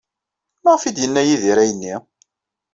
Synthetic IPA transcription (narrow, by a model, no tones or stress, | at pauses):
maʁfid̪jənːæjiðiɾæjənːi